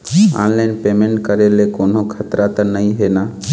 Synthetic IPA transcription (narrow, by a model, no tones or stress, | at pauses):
a̰nlaɪnpemẽɳʈkəɾelekonokʰət̪ɾat̪ənəiɦena